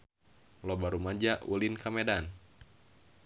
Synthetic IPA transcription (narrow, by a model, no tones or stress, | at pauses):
lobaɾumad͡ʒaʔulinkamedan